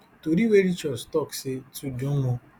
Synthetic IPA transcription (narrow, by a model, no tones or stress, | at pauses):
toɾiweɾit͡ʃɔdstɔksɪtudũmʊ̃